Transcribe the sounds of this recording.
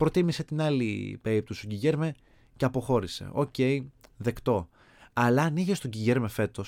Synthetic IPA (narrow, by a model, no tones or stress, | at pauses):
pɾo̞t̪imise̞t̪inɐlḭpeip̚t̪ust̪oɟiʝe̞ɾme | ceɐpo̞xo̞ɾise̞̰o̞̰ce̞iðe̞kt̪o̞ | ɐlɐniʝest̪oɟiʝe̞ɾmefe̞t̪o̞s